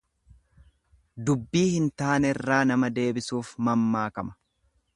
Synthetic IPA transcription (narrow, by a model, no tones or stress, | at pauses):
d̪ʊbːiːhɪnt̪aːnɛrːaːnɐmɐd̪e̞ːbɪsuːfmɐmːaːkɐmɐ̥